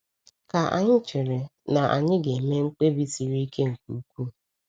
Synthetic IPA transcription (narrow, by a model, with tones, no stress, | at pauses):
ka˨ʔa̰˨ɲɪ˦t͡ʃɪ˨ɾe˨na˨ʔa̰˨ɲɪ˦ɡe˨me˦ŋ͡m̩˦k͡pe˦bi˦si˨ɾi˦ke˦ŋ̩˨kʷu˨˦kʷu˦